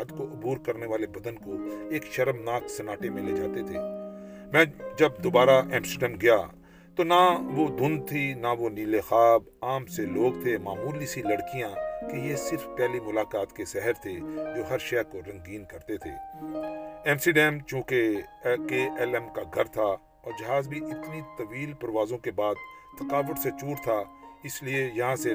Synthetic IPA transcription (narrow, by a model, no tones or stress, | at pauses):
d̪koʔʊbuːɾkɐɾneʋaːlebɐd̪ənkoeːkʃɐɾəmnaːksɐnaːʈemẽleːd͡ʒaːt̪et̪ʰeːmɛ̃ːd͡ʒɐbd̪oːbaːɾaʔɛ̃ːmsiɖɛ̃ːmɡɐja̰ | t̪onaʋod̪ʊ̃nd̪̚t̪ʰinaʋoniːlexaːb | aːmseloːɡ̚t̪ʰemaːmuːlisilɐɽkijãkejesɪɾfpɛːlimʊlaːkaːt̪kesɛɦəɾt̪ʰed͡ʒoːɦɐɾʃɛːkoɾɐ̃ŋɡiːnkɐɾt̪et̪ʰḛː | ɛ̃ːmsiɖɛːmt͡ʃũːkekeɛlɛmkaɡʱɐɾt̪ʰa | ɔːɾd͡ʒɐɦaːzbʱiʔɪt̪nit̪ɐʋiːlpɐɾʋaːzõkebaːd̪̚ | t̪ʰɐqaːʋəʈset͡ʃuːɽt̪ʰaɪsliejɐɦãse